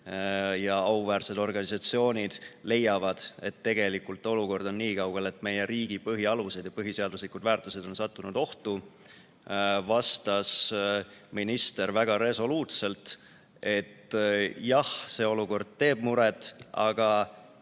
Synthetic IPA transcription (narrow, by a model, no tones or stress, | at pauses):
jɑɑuvæːrse̞d̪o̞rɡ̥ɑnʲisɑt̪sio̞ːnʲid̪̥le̞jɑvɑd̪̥e̞t̪ːe̞ɡ̥e̞likːult̪ːˑo̞luko̞rd̪o̞nːiːkɑwɡ̥e̞le̞t̪ːˑme̞jeɾiːɡ̥ipɤɦiɑluse̞d̪jɑpɤɦise̞ɑd̪uslikud̪̥væːrt̪ːˑuse̞d̪̥o̞nsɑt̪ˑːunud̪o̞ht̪u | vɑst̪ɑs | minist̪e̞ɾvæɡ̥ɑɾe̞so̞luːt̪se̞lt̪ | e̞t̪jɑhse̞ːo̞luko̞rd̪̥̚t̪e̞ːb̥̚muɾet̪ːˑɑ̰ɡ̥ɑ